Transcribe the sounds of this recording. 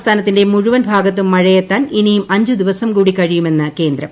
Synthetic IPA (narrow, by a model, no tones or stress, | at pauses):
st̪ʰaːnɐt̪ːinde̞muɻuʋɐnbʱaːɡɐt̪ːumːɐɻɐjɐt̪ːaːninijumɐɲd͡ʑud̪iʋɐsɐmkuːɽikɐɻijume̞nːɨke̞ːnd̪ɾɐm